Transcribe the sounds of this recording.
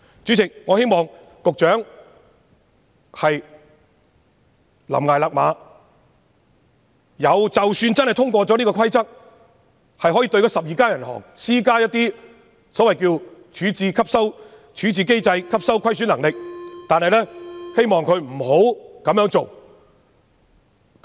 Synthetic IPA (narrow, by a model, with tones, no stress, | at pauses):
t͡ʃy˨˥t͡sɪ˨k̚ŋɔː˨˧he˥jmɔː˨ŋ | kʊ˨k̚t͡ʃœː˨˥ŋ | hɐ˨j | lɐ̰˨˩mŋaː˨˩laː˨k̚maː˨˧ | jɐ˨˧wt͡sɐ˨wsyː˧nt͡sɐ˥nhɐ˨˩jt̪ʰʊ˥ŋkʷɔː˧t͡sɔː˨˥niː˥kɔː˧kʰɐ˥jt͡sɐ˥k̚ | hɐ˨jɦɔː˨˥jiː˧t̪ɵ˧jkɔː˨˥sɐ˨p̚jiː˨kaː˥jɐ˨˩nhɔ̰ː˨˩ŋsiː˥kaː˥jɐ˥t̪̚iː˥ | sɔː˨˥wɐ˨jkiː˧wt͡ʃʰyː˨˥t͡siː˨˧kʰɐ˥p̚sɐ˥w | t͡ʃʰyː˨˥t͡siː˨˧ke˥jt͡sɐ˧jkʰɐ˥p̚sɐ˥wkʷʰɐ˥js̬yː˨˥lɐ˨˩ŋlɪ˨k̚t̪aː˨nhɐ˨jlɛː˥he˥jmɔː˨ŋkʰɵ˨˧ɥm̩˨˩ho˨˥wkɐ˨˥mjœː˨˧˥ŋt͡so˨w